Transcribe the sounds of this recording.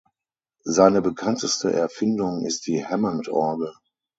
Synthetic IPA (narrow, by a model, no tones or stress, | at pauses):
zaɪnəbəkʰantəstəʔɛɐfɪndʊŋɪst̚d̥iːhɛmantʰʔɔɐɡə